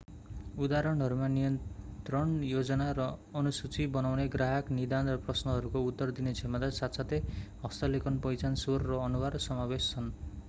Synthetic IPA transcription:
ud̪aɾʌɳɦʌɾumanijʌnt̪rʌɳjod͡zʌnaɾʌːnusut͡sibʌnawneɡraɦaknid̪anrʌprʌsnʌɦʌɾukout̪ːʌrd̪inet͡sʰemad̪asat̪sat̪eɦʌst̪ʌlekʌnpʌjt͡sansorːʌːnubarsʌmabest͡sʰʌn

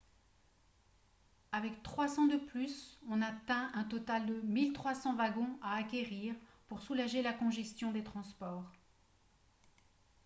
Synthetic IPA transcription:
avɛkt̪χwasɑ̃d̪əplysɔ̃nat̪ɛ̃ɛ̃t̪ɔt̪ald̪əmilt̪χwasɑ̃vaɡɔ̃aːkʲeʁiːʁpuʁsulaʒelakɔ̃ʒɛst̪jɔ̃d̪et̪χɑ̃spɔːʁ

